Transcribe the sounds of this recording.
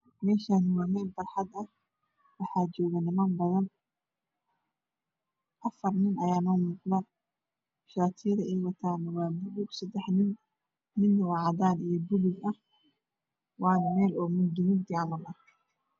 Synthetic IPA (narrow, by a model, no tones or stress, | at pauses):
mɛːʃaːnɪwaːmɛːlbɐrħɑd̪ɐh | wɑħɑːd͡ʒɔːɣɐnɪmaːnbɐðɐn | ʔɐfɐrnɪnɐjaːnɔːmuːqðaː | ʃaːt̪ʰijɐðɐʔɛjwɐt̪ʰaːnɐwaːbʊɣʊɡsɐd̪ɛħnɪn | mɪnwɑʕɑd̪aːnijɔbʊɣʊɡɐh | wɑːnmɛːlɔːmʊd̪ʊmɪɡd̪ɪʕɑmɐlɐ